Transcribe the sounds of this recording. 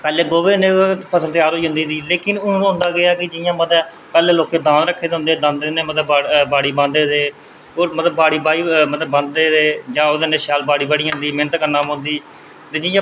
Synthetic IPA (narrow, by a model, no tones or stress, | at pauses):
pɛːleːɡoːʋeːnẽːpʰəsəlt̪eaːɾɦoːiːɦʊ̃nd̪iːd̪iːleːkɪnʊñːñːɦʊ̃nd̪aːɡɪaːkɪd͡ʒɪjãːməɛ | pɛːleːloːkẽːd̪ãːnɾəkʰːeːd̪ɦʊ̃nd̪eːd̪ãːnd̪eːneːmət̪ləbbaːɽiːbə̃nd̪eːd̪eː | oːmət̪ləbaːɽiːbaːiːmət̪ləbə̃nd̪eːd̪eːd͡ʒãːoːd̪eːneːʃaːlbaːɽiːbəɽiːɦãnd̪iːmɪnət̪kəɾnaːmɦʊ̃nd̪iː | t̪eːd͡ʒɪjãː